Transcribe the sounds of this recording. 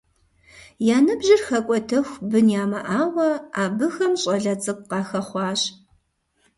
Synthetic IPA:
jaːnɨbʒɪrxɐkʷʼɔtʰɐxʷbɨnjaːmɐʔaːwɐaːbɨxɐmɕʼɐɮɐt͡sʼɨp̚ʷqɑːxɐχʷɑːɕ

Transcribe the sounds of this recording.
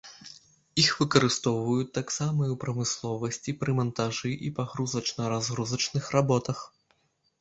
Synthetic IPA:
ixvɨkɐɾɨst̪ɔwvɐjut̪ːaksamɐiwpɾɐmɨslˠɔvɐsʲt͡sʲipɾɨmɐnt̪aʐɨʔipaɣɾuzɐt͡ʂnɐɾazɣɾuzɐt͡ʂnɨxrabɔt̪ɐx

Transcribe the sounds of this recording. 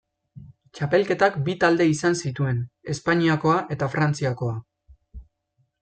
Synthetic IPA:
t͡ʃape̞lke̞t̪akbit̪ald̪e̞isansit̪ue̞ne̞spaɲiako̞aʔe̞t̪afɾant͡siako̞a

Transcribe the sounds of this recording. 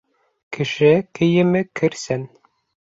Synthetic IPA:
kɘ̆ʃɘkɘ̆jɘ̆mɘkʰɘ̆ɾsɘn

